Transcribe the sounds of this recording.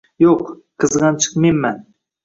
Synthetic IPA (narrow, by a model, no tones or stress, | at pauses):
joq | qʰɨzʁɑnt͡ʃʰɨ̥qmemːan